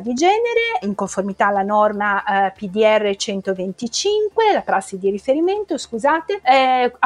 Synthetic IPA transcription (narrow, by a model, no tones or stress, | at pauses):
d̪id͡ʒɛːneɾeiŋkoɱformit̪aːlːanɔrmapid̪iɛrːet͡ʃɛnt̪ovent̪it͡ʃiŋkwelapɾasːid̪iɾifeɾiment̪oskuzaːt̪e